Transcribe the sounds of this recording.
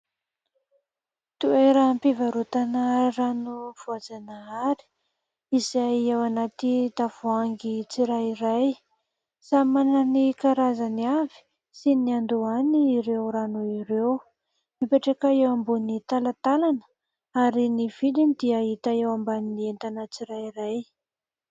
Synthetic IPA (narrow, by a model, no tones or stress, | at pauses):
t̪ueɾəmpivaɾut̪anəranuv̥uad͡zanaaɾi̥ | izajewanat̪id̪av̥uaŋɡit͡siɾaiɾaj | samanənikaɾazaniavi̥ | siniand̪uaniːɾewɾanuiɾew | mipeʈ͡ʂakaewambunit̪alat̪alanə̥ | aɾiniv̥ilinid̪iaɦit̪aewambannient̪anət͡siɾajiɾaj